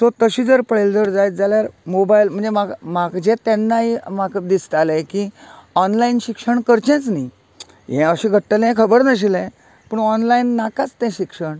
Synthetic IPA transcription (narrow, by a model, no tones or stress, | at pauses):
tot̪əɕid͡zəɾpəɭeld͡zəɾd͡zajt̪̚d͡zaljaɾmobailm̤əɳd͡zemaɡmaɡd͡ʑẽt̪ɛ̃nːaɦimakd̪ist̪alãkiɔnlainɕikʂəɳkəɾt͡ɕɛ̃t͡sni | jɛ̃əɕĩɡʱəʈːəlɛ̃kʰəbəɾnəɕ̬ilɛ̃ | pəɳɔnlainːakat͡st̪ɛ̃ɕikʂəɳ